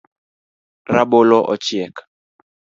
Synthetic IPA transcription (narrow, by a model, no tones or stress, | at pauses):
raɓolɔʔɔ̰t͡ʃjɛk